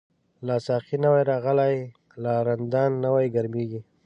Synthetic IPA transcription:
lɑsɑqinəwajɾɑɣəlaj | lɑɾand̪ɑnːəwajɡaɾmeɡi

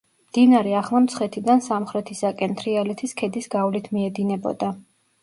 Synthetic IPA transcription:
md̪inaɾɛaχlˠamt̪sʰχɛt̪ʰid̪ansamχɾɛt̪ʰisakʼɛnt̪ʰɾialɛt̪ʰiskʰɛd̪isɡavlit̪ʰmiɛd̪inɛbɔ̰d̪a

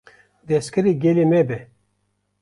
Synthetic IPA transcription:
d̪eskɨɾiɡelimebe

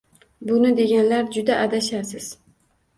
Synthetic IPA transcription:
bʊnɪd̪e̞ɡʲanlaɾd͡ʒʊd̪aʔːd̪aʃasɪz̥

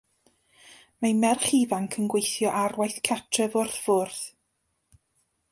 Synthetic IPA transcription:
majmɛrχivaŋkʰənɡwejθjɔʔarwajθkʰatʰrəvʊrθv̥ʊrθ

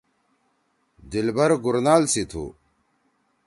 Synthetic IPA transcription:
d̪ilbɐɾɡuɾnaːlsit̪ʰṵ

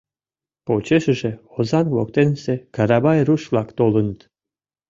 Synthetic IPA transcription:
pot͡ɕeʃə̆ʒeozɑnkβok̚t̪ensekɑɾɑbɑjɾuʃvlˠɑkt̪olˠə̆nət̪

